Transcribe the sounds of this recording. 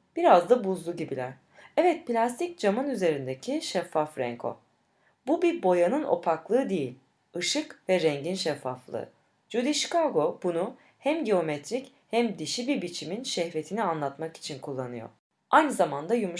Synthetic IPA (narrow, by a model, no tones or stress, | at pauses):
b̥iɾazd̪abuzlˠuɟibilʲæɾ̥ | ɛvɛt̪̚plʲast̪ʰic̚d͡ʒamɯnyze̞ɾind̪ecʰiʃɛfːafɾɛ̰ŋkʰo̞̰ | bubiɾbo̞janɯno̞̰pʰaklˠɯːd̪ejilʲ | ɯʃɯkvɛɾɛɲɟinʃɛfːaflˠɯ̰ | d͡ʒud̪iʃkaɡo̞b̥unu | hæmɟeo̞mɛt̪ʰɾic | hæmd̪iʃibiɾbit͡ʃʰiminʃɛhɾe̞t̪ʰinianlˠat̪maki̥t͡ʃʰinkʰulˠːanɯjo̰ | ajnɯzamand̪ajumu